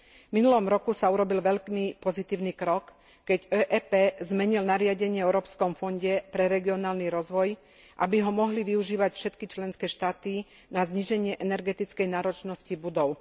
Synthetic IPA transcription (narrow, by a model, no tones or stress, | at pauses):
minulɔmɾɔkusauɾɔbilʋɛʎkmipɔzit̪iːʊniːkɾɔkː | ɛɟɛːʔɛːpɛːzmɛɲilnaɾɪaɟɛɲɪɛɛʊɾɔːpskɔmfɔɲɟɛpɾɛɾɛɡiɔnaːlniɾɔzʋɔj | ʔabiɦɔmɔɦliʋiuʒiːʋacfʃɛt̪kit͡ʃlɛnskɛːʃt̪aːt̪i | nazɲiʒɛɲɪɛʔɛnɛɾɡɛt̪it͡skɛjnaːɾɔt͡ʃnɔscibud̪ɔʊ